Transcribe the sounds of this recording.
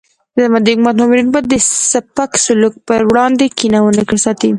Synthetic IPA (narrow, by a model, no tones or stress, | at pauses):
amad̪əkmat̪nɑmɪɾinbɑjd̪ːəsapaksʊluk̚pəɾwɽɑnd̪ekinawənakəɽsɑt̪i